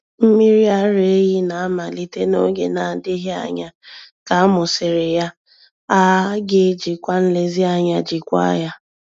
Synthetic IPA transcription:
m̩˦mi˦ɾi˦a˦ɾe˨e˦ji˦na˨a˦ma˨li˦te˦no˦ɡe˨na˨a˨dɪ˦ɦi˦a̰˦˨ɲa˦ka˨a˦mʊ˨sɪ˨ɾe˨ja˦ | a˦ɡɪ˦d͡ʒi˨kʷa˦n̩˦le˦zi˦a˨ɲa˦d͡ʒi˨kʷa̰˦ja˦

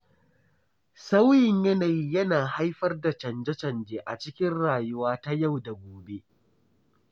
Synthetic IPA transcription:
sa˦wjɪ˨ɲjɐ˦naː˨ji˦jɐ˦naː˨ha˦jɸɐ˦rda˨t͡ʃɐ˨nd͡ʒɐ˦t͡ʃɐ˨nd͡ʒeː˨ʔa̰˨t͡ʃɪ˦kʲɪ˦nɽaː˨jʊ˦waː˦ta˦ja˦˨wda˨ɡʷoː˨be˦ʔ

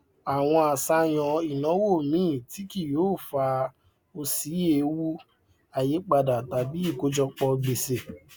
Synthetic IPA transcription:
a˨w̃ɔ̃˧a˨sa˧j̃ɔ̃˨i˨nɔ̃˨˦wo˦˨mĩ˦˨ti˨˦ki˦˨joː˨˦˨fa˧ | o˧si˨˦je˦˨˧wu˦ | a˧˨je˨˦k͡pa˧da˨ta˨bi˦i˦˨ko˨˦d͡ʒɔ˧k͡pɔ˧ɡ͡be˨se˨

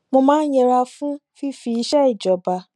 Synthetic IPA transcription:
mõ˧mãː˦jɛ̃˧ɾa˧fũ˦fi˦fi˧i˨˧ʃɛ˦i˦˨d͡ʒɔ˨ba˨

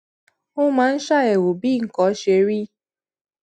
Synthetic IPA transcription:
ʊ˦mã˨˦n̩˦ʃa˦˨e˨wo˨bi˦˨ŋ̩˨kɔ˨˦ʃe˨ɾi˦

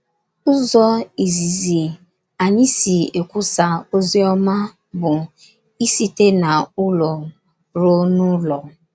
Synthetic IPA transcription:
ʊ˦zɔ˦i˨zi˨zi˨ | a˨ɲi˦si˨e˨kʷu˦sa˨o˦zi˦ɔ˦ma˦ | bʊ˨ | i˦si˦te˦na˨ʊ˦lɔ˨ | ɾo˦nʊ˦lɔ˨

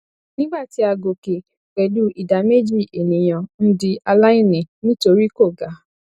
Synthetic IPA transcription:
nĩ˦ɡ͡ba˦˨ti˧˦a˧ɡo˨ke˨ | k͡pɛ˨du˦i˨da˨me˦d͡ʒi˦˨ʔe˨nĩ˨j̃ã˨n̩˦di˧a˧la˦i˦˨nĩ˨nĩ˦to˧ɾi˦ko˦˨ɡa˨˦

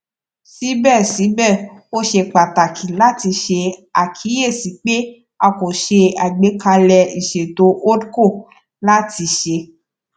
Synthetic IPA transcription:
si˦bɛ˦˨si˨˦bɛ˦˨o˦ʃe˧k͡pa˨ta˨kʰi˨la˦ti˧ʃe˧a˨kʰi˨˦je˦˨si˨˦k͡pe˦ | a˧ko˨ʃe˧a˨ɡ͡be˨˦ka˧lɛ˧i˨ʃe˨to˨˦ʔo˦dko˦˨ | la˦ti˧˦ʃe˧

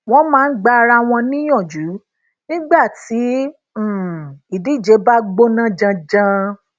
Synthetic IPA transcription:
w̃ɔ̃˦mãː˦˧˦n̩˦ɡ͡ba˦˧ɾa˧w̃ɔ̃˧nĩ˦j̃ɔ̃˦˨d͡ʒu˨˦ | nĩ˦ɡ͡ba˦˨tĩ˨˦˨ | i˨di˨˦˨d͡ʒe˨˧˦ba˦ɡ͡bo˦nã˦d͡ʒã˧d͡ʒã˧

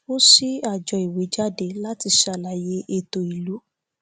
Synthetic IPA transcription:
o˦si˦a˦˨d͡ʒɔ˧˨i˨we˨˦d͡ʒa˦˨de˧˦la˦ti˧ʃa˧˨la˨je˧ʔe˧to˨i˨lu˨˦

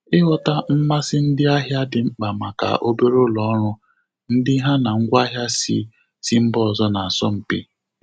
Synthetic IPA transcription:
ɪ˦ɦɔ˦ta˦m̩˦ma˦sɪ˦n̩˦dɪ˦a˦ɦja˦dɪ˨ŋ͡m̩˦k͡pa˨ma˨ka̰˨ʔo˦be˦ɾo˦lɔ˨˦ɾʊ˦ | n̩˦dɪ˦ɦa˦na˨ŋ̩˦ɡʷa˦ɦja˦sḭ˦ | si˦m̩˦bɔ˦˨zɔ˦na˨a˨sɔ˦m̩˨pi˦

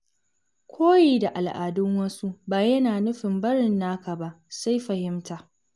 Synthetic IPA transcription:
kʷʰoː˦jeː˨da˨ʔa˨lʔa̰ː˨dʊ˦ŋwɐ˦su˦baː˨jɐ˦naː˨nʊ˦ɸɪ˨mbɐ˦ɽɪ˨nːaː˦ka˨ba˦ʔsa˦jɸɐ˨hɪ˦mtaː˨ʔ

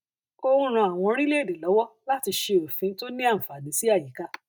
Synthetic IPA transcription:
ko˦ũ˦ɾ̃ũ˧a˨w̃ɔ̃˧ɾi˦le˦˨de˨lɔ˨˦wɔ˦la˦ti˧ʃe˧o˨fĩ˨˦to˦nĩ˦a˦˨m̩˨fa˨di˨˦si˦a˦˨ji˨˦ka˦

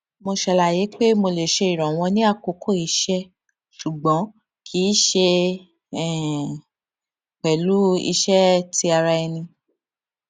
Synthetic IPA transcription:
mo˧ʃɛ˧la˨je˨˦k͡pe˦mo˧le˨ʃe˧i˨ɾ̃ɔ̃˨w̃ɔ̃˧nĩ˦a˦˨ko˧kʰo˦˨i˧˦ʃɛ˦ | ʃu˨ɡ͡bɔ̃˨˦ | kʰi˨˦ʃe˧ | ɛ˦˨ | k͡pɛ˨lu˨˦ḭ˧ʃɛ˦ti˧˦a˧ɾa˧i˧nĩ˧

